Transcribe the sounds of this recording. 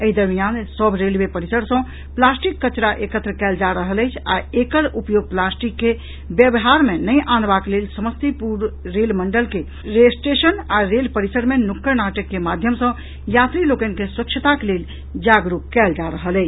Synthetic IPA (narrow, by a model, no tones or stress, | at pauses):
əid̪əɾmijansəbʱɾelbepəɾisəɽsə̃ | plasʈikːət͡ʃɾaʔekət̪ɾəkɛld͡ʒaɾəɦələɪt͡ʃʰaekəɾupjoɡ̚plasʈikːe | bjəbɦaɾmenəjʔanbaklelsəməst̪ipuɾːelməɳɖəlke | ɾesʈesənaɾelpəɾisəɽmenukːəɾnaʈəkːemad̪ʱjəmsə̃ | jat̪ɾilokənkeswəkt͡ʃʰət̪akelel | d͡ʒaɡɾukkːɛld͡ʒaɾəɦələɪt͡ʃʰ